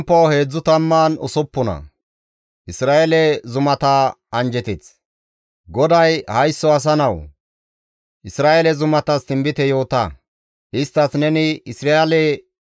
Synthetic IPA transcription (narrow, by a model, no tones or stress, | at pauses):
mpːowhe̞ːd͡zːʊt̪ɐmːaːnʊ̰sɔpːʊnɐ̰ | ʔɪsɾaːʔelɛzʊmɐt̪aɐnd͡ʒɛt̪ɛt͡s | ɡɔd̪ɐjhɐjsːɔɐs̬ɐnɐw | ʔɪsɾaːelɛzʊmɐt̪ɐst̪ɪmbɪt̪ɛjo̞ːt̪ɐ̰ | ʔɪst̪ːɐsnɛnɪɪsɾalɛ